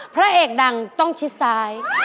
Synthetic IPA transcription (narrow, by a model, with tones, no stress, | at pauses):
pʰɾa˦˥ʔeː˨˩k̚da˨˩ŋt̪ɔ˥˩ŋt͡ɕʰi˦˥t̪̚saː˦˥j